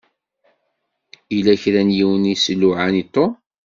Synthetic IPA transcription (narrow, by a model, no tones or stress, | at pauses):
ilæçɾænjiwənisəlːʊʕanit̪ˤːo